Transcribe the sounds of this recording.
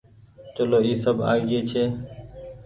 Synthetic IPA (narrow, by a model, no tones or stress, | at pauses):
t͡ʃəloːiːsəbʱa̰ːɡeːt͡ʃʰeː